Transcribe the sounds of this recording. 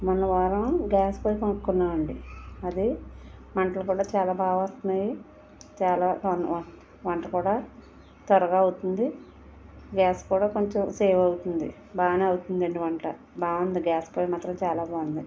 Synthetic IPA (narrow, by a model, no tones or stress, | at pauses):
mɐnːɐʋaːɾɐmɡaːspoːjikonukkunːaːʋɐɳɖiɐd̪imɐɳʈɐlukuːɽaːt͡ʃaːlaːbaːʋɐːst̪ɐnaːji | t͡ʃaːlaːɐn | ʋɐɳʈɐkuːɽaː | t̪ɐɾɐɡaːɐwut̪und̪i | ɡaːskuːɽaːkoɲt͡ʃomsɛːʋɐwut̪und̪ḭ | baːʋneːɐwut̪und̪ɐɳɖiʋɐɳʈɐ̰ | baːʋɐnd̪iɡaːspoːjmaːt̪ɾɐmt͡ʃaːlaːbaːʋɐnd̪i